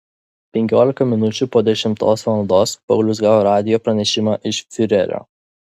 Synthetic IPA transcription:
pʲɛŋʲkʲoːlʲɪkɐmʲɪnʊt͡ʃʲupoːd̪ʲɛʃʲɪmt̪oːsʋɐnd̪oːspɐʊlʲʊsɡɑːʋoːɾɑːd̪ʲɪjoːpɾɐnʲɛʃʲɪmɑːʔɪʃfʲɪɾʲɛ̰ɾʲo̰ː

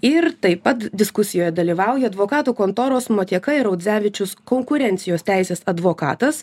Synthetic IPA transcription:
ɪɾt̪ɐɪpːɐt̪d̪ʲɪskʊsʲɪjoːjɛd̪ɐlʲiːʋɑˑʊjɛɐd̪ʋoːkɑːt̪uːkoːnt̪oːɾoːsmoːt̪ʲiɛkɐɪɾɐʊd̪ʲzʲæːʋʲɪt͡ʃʲʊskoːŋkʊɾʲɛnʲt̪sʲɪjoːst̪ʲæɪsʲeːsɐd̪ʋoːkɑ̰ːt̪ɐs

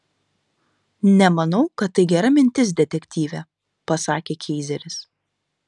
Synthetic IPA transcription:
nʲɛmɐnɐʊkɐt̪̚ːɐɪɡʲɛɾɐmʲɪnʲt̪ʲɪs̬d̪ʲɛt̪ʲɛkʲt̪ʲiːʋʲɛ | pɐsɑːkʲeːkʲʰɛɪzʲɛɾʲɪs

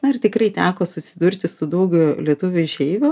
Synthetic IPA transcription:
nɐɪrt̪ʲɪkrɐɪt̪ʲæːkoːsʊsʲɪd̪ʊrʲt̪ʲɪsʊd̪ɐʊɡʲʊlʲiɛt̪ʊʋʲʊʒʲɛɪʋʲʊ

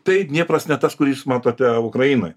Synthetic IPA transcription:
t̪ɐɪnʲiɛpɾɐsnʲɛt̪ɐskʊɾʲɪsmɑːt̪oːt̪ʲɛʊkɾɐjiːno̰j

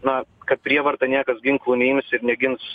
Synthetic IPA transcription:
nɐkɐt̪̚pʲɾʲiɛʋɐɾt̪ɐnʲiɛkɐsɡʲɪŋklˠuːnʲɛɪmʲsɪɾnʲɛɡʲɪns

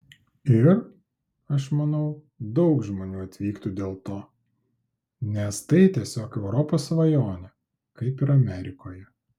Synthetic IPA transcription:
ɪɾ | ɐʃmɐnɐʊ | d̪ɐʊkʒmoːnʲuːɐt̪ʲʋʲiːkt̪ud̪ʲeːlˠt̪oː | nʲɛst̪ɐɪt̪ʲiɛsʲoːkɛʊɾɔpoːsʋɐjoːnʲɛ | kɐɪpɪɾɐmʲɛɾʲɪkoːjɛ

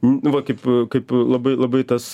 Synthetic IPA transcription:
nʊʋɐkɐɪpkɐɪplˠɐbɐɪlˠɐbɐɪt̪ɐs

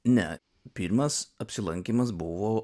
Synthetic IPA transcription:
nʲɛ̰ | pʲiɾmɐsɐpʲsʲɪlˠɐŋʲkʲiːˑmɐs̬bʊʋoː

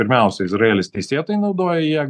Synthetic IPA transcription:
ɪɾʲmʲɛˑʊsʲɛɪzɾɐeːlʲɪst̪ʲɛɪsʲeːt̪oːjɛɪnɐʊd̪oːjɛjiɛ

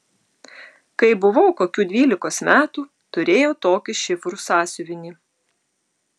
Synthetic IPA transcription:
kɐɪbʊʋɐʊkoːkʲuːd̪ʲʋʲiːlʲɪkoːsmʲæːt̪uː | t̪ʊɾʲeːjoːt̪oːkʲɪʃʲɪfɾusɑːsʲʊʋʲɪnʲiː

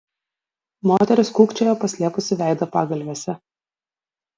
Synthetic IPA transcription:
moːt̪ʲɛɾʲʊskuːkt͡ʃʲɛːjoːpɐsʲlʲiɛpʊsʲɪʋʲæˑɪd̪ɐpɑːɡɐlʲʋʲeːsʲɛ

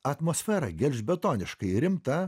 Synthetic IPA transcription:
ɐt̪moːsʲfʲɛɾɐ̰ɡʲɛlʲʒʲbʲɛt̪oːnʲɪʃkɐɪɾʲɪmt̪ɐ

